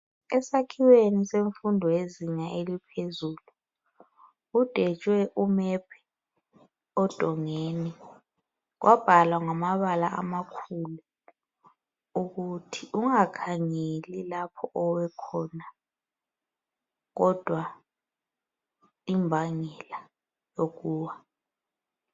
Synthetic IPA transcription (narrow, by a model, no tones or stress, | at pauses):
ɛsakʰiweniseɱfundʱɔjeziɲaʔelipʰezulu | d̥ʱɛt͡ʃʼwɛʔumɛpʰɛ̥ | ɔd̥ʱɔŋeni | k̬wʔab̥ʱalwaŋamaβalaʔamakʰulu | ukutʰiʔuŋakʰaŋelilapʰɔʔɔwɛkʰɔna | ɣ̬ɔd̥ʱwa | imbʱaŋɛla | jok̬uːwa